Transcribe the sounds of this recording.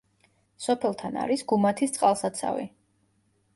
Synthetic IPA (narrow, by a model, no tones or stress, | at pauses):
sɔpʰɛlˠt̪ʰana̰ɾisɡumat̪ʰist̪sʼqʼalˠsat̪sʰa̰vḭ